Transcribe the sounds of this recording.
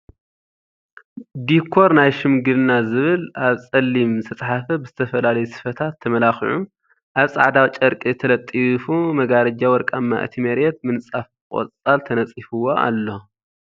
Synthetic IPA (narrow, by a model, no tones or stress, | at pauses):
d̪ikʰːo̞ɾnajʃɪmɡɨlnazɨβɨlaβt͡sʼɐlːimsʰɐt͡sʼħafɐbɨz̥ɨt̪ʰɐfɐlalɐjusɨ̥fɐt̪ʰat̪ʰːɐmɐlaxḭʕum | ʔaβsʼa̰ʕd̪awt͡ʃʼɐɾkʼit̪ʰɐlɐt̪ʼːifumɐɡaɾɐd͡ʒawɔɾkʼamːa̰ʔɨ̰t̪ʰimɐɾɛt̪̚mɨnsʼaf | kʼo̰t͡sʼalt̪ʰɐnɐt͡sʼifɨwoʔa̰lːo